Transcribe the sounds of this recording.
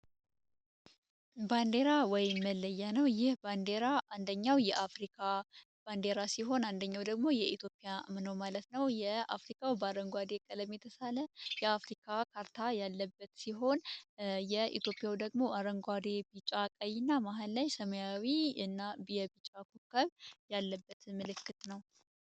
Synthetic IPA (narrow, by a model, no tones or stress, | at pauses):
band̪e̞ɾawɔjɪmːəlːəjːanəwjɪhband̪eɾaʔand̪əɲːawjɛʔafɾikʰa | b̥and̪e̞ɾasiɦo̞nand̪əɲːawd̪əɡmo̞jɛit̪ʰjo̞pʼijamɨnowmalət̪nəwjɛa̰fɾikʰʼawbəaɾəŋɡʷad̪e̞kʼələmjɛt̪ʰəsaləjɛafɾikʰakʰaɾt̪ʰajalːəbːət̪siɦo̞njɛḭt̪ʰjo̞pʼjawd̪əɡmo̞ʔaɾəŋɡʷad̪e̞b̥it͡ʃʼakʼəjɨnːamaɦalːajsəməjawiɨnːabjɛbit͡ʃʼakʰukʰːəβjalːəbːət̪mɨlɨkːɨt̪nəw